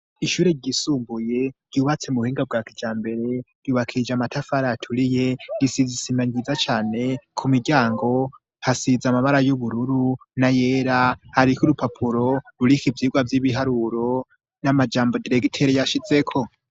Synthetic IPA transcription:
iʃuːɾe̞ɾɟisuːmbuje̞ɾɟuːβat͡se̞muhiːŋɡab̚ɡaːkid͡ʒaːmbe̞ɾe̞ɾ̥juːβakʰid͡ʒamatʰafaɾatʰuɾije̞ɾisizisimaɲizat͡ʃaːne̞kʰumiɟaːŋɡo̞ | hasizamaβaɾajuβuɾuɾunaje̞ɾahaɾikuɾupapʰuɾo̞ɾuɾikibvjiːɡwavjiβiɦaɾuɾo̞ | namad͡ʒaːmbo̞diɾeɡitʰeɾejaʃize̞kʰo̞

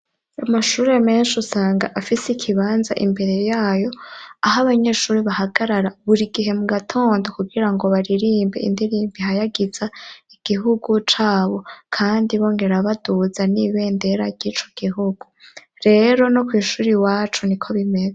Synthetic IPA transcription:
amaʃuːɾeme̞ːnʃusaːŋɡa̰ʔafisikʰiβaːnzaʔimbe̞ɾe̞jaːjo̞aɦaβaɲe̞ːʃuːɾiβahaɡaɾaɾaβuɾiɡiɦe̞muɡatʰo̞ːndokuɡiɾaŋɡo̞βaɾiɾiːmbeḭndiɾiːmbihajaɡiz̥aiɡ̥iɦuɡut͡ʃaːβo̞kʰaːndiβo̞ːŋɡe̞ɾaβaduzaniβe̞ːnde̞ɾaɾɟiːt͡ʃo̞̥ɡ̥iɦuɡ̥u | ɾe̞ɾo̞no̞kwiːʃuːɾiwaːt͡ʃunikʰo̞βime̞ze

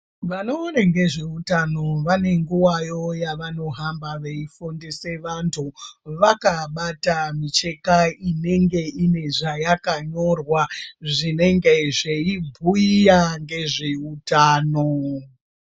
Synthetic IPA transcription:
ʋano̞ːneŋɡe̞ʐeutano̞ʋane̞ŋɡuwajo̞jaʋano̞ɦambaʋe̞ifondese̞ʋantʰuʋakaɓatamit͡ʃe̞kaine̞ŋɡe̞ine̞ʐajakaɲo̞rwaʐine̞ŋɡe̞ʐeibʱuijaŋɡe̞ʐeutaːno

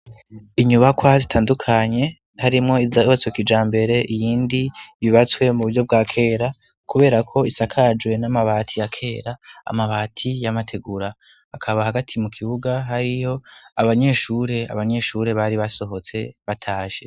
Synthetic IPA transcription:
iɲuβakwazitʰaːndukʰaɲe̞ | haɾimŋo̞izahat͡sokid͡ʒaːmbe̞ɾe̞ʔijiːndiβiβat͡swe̞muβuɾɟo̞b̚ɡaːkʰe̞ːɾa | kuβe̞ːɾakʰo̞isakʰad͡ʒwe̞namaβaːtʰijakʰe̞ːɾa̰ːmaβaːtʰijamatʰeɡuɾa | akʰaβahaɡatʰimukʰiβuɡaɦaɾiho̞aβaɲe̞ːʃuɾe̞a̰βaɲe̞ʃuːɾe̞βaɾiβaso̞ɦo̞t͡se̞βatʰaːʃe̞

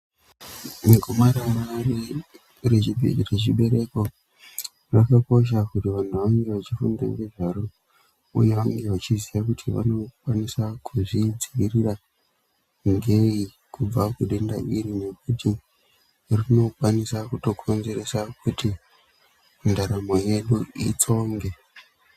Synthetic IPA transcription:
meɡʱomaɾamari | reret͡ʃiɓe̞ɾe̞ko̞ | rakako̞ʃ̬akutiʋan̤uʋaŋɡe̞ʋat͡ʃifṵnda̰ŋɡe̞ʐaɾo | ṵje̞ʋaŋɡe̞ʋat͡ʃiziakutʰiʋa̰no̞kwanisakʰuʐid͡ziʋirira | ŋɡe̞i | kub͡vakuɗe̞nda̰ʔiɾine̞k̚uti | rino̞kwanisakuto̞kʰo̞nze̞ɾe̞sakuti | mundaɾamo̞je̞ɗuḭt͡so̞ŋɡe̞

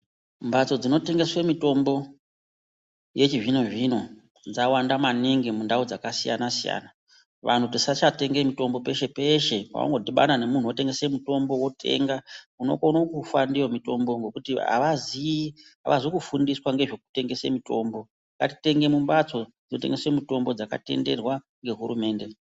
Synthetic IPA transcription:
mbat͡so̞d͡zino̞te̞ŋɡe̞swemito̞mbo̞ | je̞t͡ʃiʐinoʐino̞ | d͡zawandamaniŋɡemundaud͡zakasija̰nasija̰ːna | ʋa̰n̤utisat͡ʃate̞ŋɡe̞mito̞mbo̞pe̞ʃe̞pe̞ʃe̞pa̰wa̰ŋɡodiɓa̰nane̞mun̤uwote̞ŋɡe̞semuto̞mbo̞wo̞tʰe̞̰ŋɡa | uno̞̰konokufandijo̞mito̞mbo̞ŋɡo̞kutia̰ʋaziiɦa̰ʋʔazokufundiswaŋɡeʐe̞k̚u̥te̞ŋɡe̞se̞̰mito̞ːmbo̞ | kati̥te̞ŋɡe̞mumbat͡sod͡zinote̞ŋɡe̞swe̞mito̞mbo̞d͡zaka̰te̞̰nde̞̰rwa | ŋɡe̞ɦurume̞ːnde̞

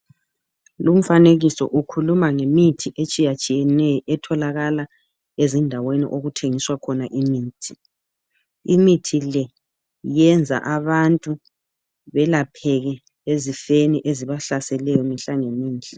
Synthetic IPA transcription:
lum̩faneɣisɔ̰ʔukʰulumaŋemitʰiʔet͡ʃʼijat͡ʃʼijɛnɛjʔɛtʰɔlaɣala | ezindʱawenḭʔoɣutʰeŋiswakʰɔnaʔimiːtʰi | imitʰilɛ | jɛnd͡zʱa̰ʔaβantʼu | βɛlapʰɛɣɛ | ezifeniʔeziβaɬasɛlɛjɔmiɬaŋemiːnd͡ɮʱɛ

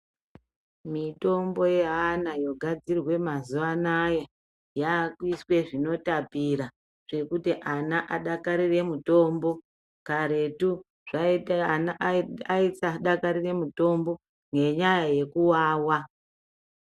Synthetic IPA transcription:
mito̞mbo̞je̞ɦanajo̞ɡʱad͡zirwe̞mazuʋanaja | jakwiswe̞ʐino̞tapiɾa | ʐ̥e̞kutiʔanaʔaɗakaɾire̞muto̞mbo̞ | kaɾe̞tu | ʐ̥ainaʔaisaɗakaɾire̞muto̞mbo̞ | ŋɡe̞ɲajaje̞kuwaːwa

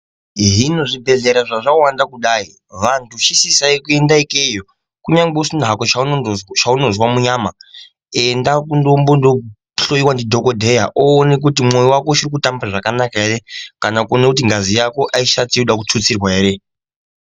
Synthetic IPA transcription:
ɦino̞ʐibʱe̞ɮe̞ɾaʐaʐawandakuɗai | ʋantʰuʃisisaikue̞ndaikejo | kuɲaŋɡ͡beusin̤ɦakot͡ʃat͡ʃauno̞zwamuɲaːma | endakundombondo | ɬo̞jiwandidʱo̞ko̞dʱe̞jaʔoːnek̬utimo̞jiwakoʃirikutambaʐakanakaere̞kanakuonekut̬iŋɡazijako̞ʔaiʃatiiuɗakut͡sut͡sirwaeːɾe̞

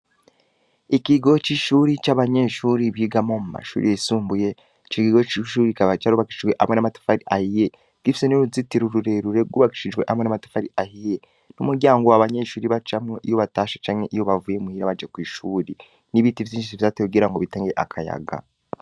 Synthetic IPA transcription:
ikiɡo̞t͡ʃiʃuːɾit͡ʃaβaɲe̞ʃuːɾiβiːɡamo̞muma̰ʃṵːɾḭjeisuːmbuje̞ | t͡ʃikiɡot͡ʃiʃuːɾikaβat͡ʃaɾuβaki̥ʃid͡ʒɡwe̞ʔamŋenamatḁfaɾiʔahije | ɡ̥ifi̥senuuzitiɾuɾuɾe̞ɾuɾe̞ɡuːβaki̥ʃid͡ʒɡwe̞ʔamwenamatḁfaɾiʔahije | numuɾɟaːŋɡo̞waβaɲe̞ʃuːɾiβat͡ʃamŋeʔijo̞βataːʃḁt͡ʃaːmŋe̞ʔijo̞βavujemuhiːɾaβad͡ʒekwiːʃuːɾi | niβitivziːt͡ʃisiβizateuɡiːɾaŋɡoβitaːŋɡeʔakʰaja̰ɡa̰

